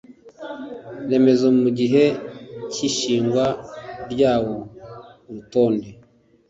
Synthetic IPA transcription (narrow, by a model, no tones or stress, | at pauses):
ne̞me̞zomuɟiɦe̞ciʃiːŋɡwaɾɟaːwouɾuto̞ːnde̞